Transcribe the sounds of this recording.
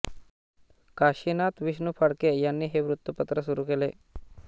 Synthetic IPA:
kaːʃinat̪ʋiʃnupʰəɽkejanːiːɦeʋɾut̪ːjupət̪ɾəsuɾukeːle

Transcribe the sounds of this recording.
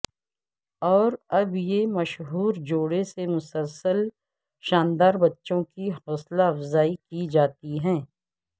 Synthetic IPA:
ɔːɾɐbjemɐʃɦuːɾd͡ʒoːɽesemʊsəlsəl | ʃaːnd̪aːɾbɐtːʃõkiɦʊslaɐfzaːikid͡ʒaːt̪iɦɛ̃ː

